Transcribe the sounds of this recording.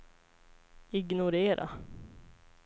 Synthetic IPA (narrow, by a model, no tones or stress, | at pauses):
ɪɡnʊɾeːɾʔa̰